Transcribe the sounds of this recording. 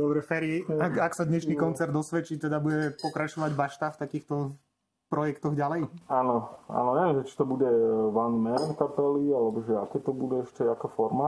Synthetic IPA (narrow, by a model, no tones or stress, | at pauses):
d̪ɔbɾɛfɛɾiɛakaksad̪ɲɛʃniːkɔnt͡sɛɾd̪ːɔsʋɛt͡ʃit̪ɛd̪abuɟɛpɔkɾat͡ʃɔʋaɟbaʃt̪aft̪akiːxt̪ɔ | pɾɔjɛkt̪ɔɣɟalɛjaːnɔa̰ːnɔɲɛʋɛmʒɛt͡ʃi̥t̪ɔbuɟɛʋanmɛnkapɛlialɛbɔʒɛakɛːt̪ɔbudɛɛʃcɛakɔfɔɾma